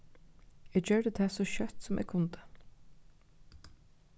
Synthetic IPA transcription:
ɛːɡt͡ʃøːɖət̪ʰæːsɔʃœt̪sɔmʔɛ̰ːɡ̚kʰʊnt̪ə̥

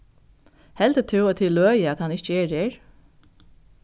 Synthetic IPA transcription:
hɛlt̪ət̪ʰʉwɔt̪ʰɪlːøːjəat̪hɑnɪt͡ʃəɛːɾeːɹ

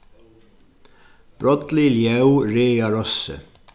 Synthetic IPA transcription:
b̥ɾɔt̪liljɛwɾeːjaɾɔsːɪ̰

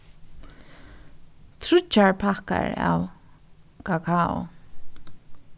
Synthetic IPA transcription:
t̪ʰɾʏt͡ʃːaɹpʰaka̰ɹa̰w | kʰakʰaʊ̰

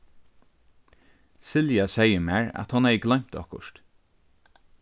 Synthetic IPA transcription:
sɪljasɛjəmæːɹæ̰t̪hɔnhɛjəɡlœɥm̥t̪ɔhkʊ̰ʃt̪

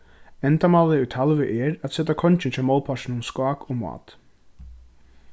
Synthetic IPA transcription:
ɛnt̪amalɪʉt̪ʰalʋɪʔɛɾat̪sɛt̪akʰɔnt͡ʃɪnt͡ʃʰɛːmɔːlˠpʰaʃɪnʊmskɑːkɔːmɑ̰ːt̪

